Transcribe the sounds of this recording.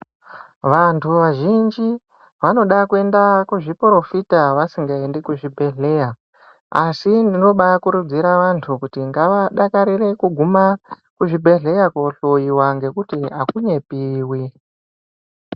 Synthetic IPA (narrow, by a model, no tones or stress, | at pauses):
ʋantʰuʋaʒind͡ʒi | ʋano̞ɗakue̞ndakuʐipro̞fitaʋasiŋɡaendikuʐibʱe̞ɮe̞ja | asindino̞ɓaakuɾud͡ziɾaʋantʰukutiŋɡaʋaɗakaɾire̞kuɡʱuma | kuʐibʱe̞ɮe̞jakoɬojiwaŋɡe̞kutiakuɲe̞piːwi